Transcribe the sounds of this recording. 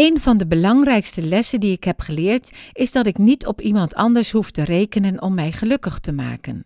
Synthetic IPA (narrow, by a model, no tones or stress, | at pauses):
ejnvɑndəbəlɑŋrɛjkstəlɛsəndiɪkɦɛpχəlɪːɹtɪzdɑtɪknitʰɔpimɑntʰɑ̰ndəɹsɦuftərejkənənɔmːɛjχəlɵkəχtəma̰ːkən